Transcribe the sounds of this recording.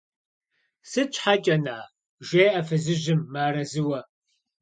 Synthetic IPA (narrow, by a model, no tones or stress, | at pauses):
sɨt͡ʃʰʼħat͡ʃʼɐnaː | ʒʷeːʔɐfɨzɨʑɪmːaːɾɐzɨwɐ